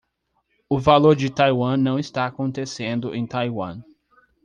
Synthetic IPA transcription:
ʊvaloɾd͡ʒɪt̪ajwɐ̃nɐ̃w̃ɪst̪aːkõnt̪esẽnd̪ʊʔẽj̃t̪ajwɐ̰̃

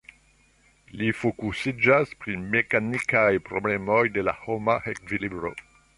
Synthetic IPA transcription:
lifokusid͡ʒaspɾime̞kanikajpɾo̞ble̞mojde̞la̰homahekvilibɾo̞̰

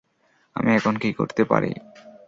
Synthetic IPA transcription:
amiɛkʰonkikoɾt̪epaɾḭ

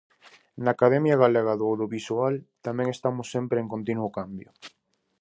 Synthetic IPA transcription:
naːkaðɛmjaɣaleɣaðoawðjoβisualt̪amɛ̃ŋest̪amʊsːempɾeeŋkõnt̪̬inuokambjʊ

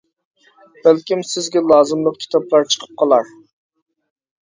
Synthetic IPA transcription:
b̥ælkʲimsɪzɡʲɛlˠɑːzɨmlˠəq̚kʲʰi̥t̪ʰɑplˠɑɾt͡ʃʰə̥qʰə̥p̚qʰɑlˠɑɾ

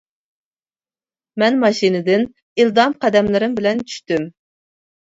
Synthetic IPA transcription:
mɛnmɑʃinɨd̪ɪn | ild̪ɑmqʰɑd̪ɛmlˠɨɾɨmbɪlɛnt͡ʃʰy̥ʃt̪ym

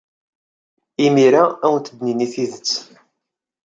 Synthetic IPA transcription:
imiɾaæwənt̪əd̪niniθiðət͡sː

